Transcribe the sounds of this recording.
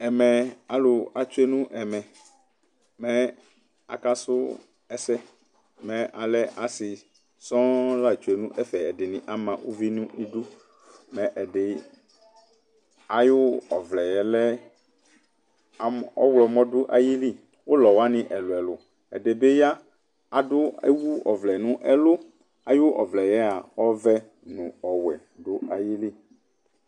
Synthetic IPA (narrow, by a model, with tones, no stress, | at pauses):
ɛ˨mɛ̃˨a˨lʊ˨a˨t͡ʃu˦e˦nũ˦ʔɛ˨mɛ̃˨ | mɛ̃˦ | a̰˨ka˦sʊ˦ | ɛ˨sɛ˦ | mɛ̃˨ʔa˨lɛ˦ʔa˨sɪ˨ | sɔ̃˦la˦˨t͡ʃu˦e˨nũ˦ʔɛ˦fɛ˨ɛ˨de˨nĩ˨ʔa˦mã˨wʔo˦vi˦nũ˦i˦du˦ | mɛ̃˨ʔɛ˨ɖe˨ | a˨jʊ˦ɔ˨vlɛ˨jɛ˨lɛ˦˨ | ɔ˦wlɔ˨mɔ̃˦dʊ˦ʔa˨ji˦li˦˨ | wo˦lɔ˨wa˦nĩ˨ʔɛ˨lo˨ɛ˨lʊ˨ | ɛ̰˨ɖe˨be˦ja˦ | a˨dʊ˦e˦wu˦ɔ̰˨vlɛ˨nũ˦ʔɛ˦lo˦ | a˨jo˦ʔɔ˨vlɛ˨jɛ˦a˨wɔ˦vɛ˦ | nũ˨ɔ˨wɛ˨ | ɖo˦a˨ji˦li˦